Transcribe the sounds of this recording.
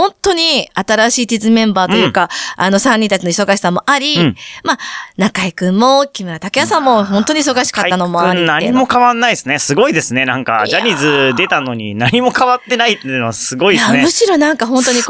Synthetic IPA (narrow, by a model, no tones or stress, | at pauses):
hõ̞nt̪o̞ɲ̟iat̪aɾaɕiːt͡ɕizɨmẽ̞mbaːt̪o̞jɯkaano̞sãɲ̟ːĩnt̪at͡ɕino̞iso̞ɡaɕi̥samo̞ʔaɾʲimanakaikɯ̟̃mːo̞kʲimɯ̟ɾat̪akʲijasãmːo̞ɦõ̞nt̪o̞ɲ̟is̬o̞ɡaɕi̥kat̪ːano̞mo̞aɾinaɲimo̞kaβanːaisɨnesɨɡo̞id̪e̞sɨne̞nãŋka̰d͡ʑaɲʲizɨd̪e̞t̪ano̞ɲ̟ḭnaɲ̟imo̞kaβat̪ːe̞nait̪ːenoβasɨɡo̞iamɯ̟ɕiɾo̞nãŋkaɦõ̞nt̪oɲ̟i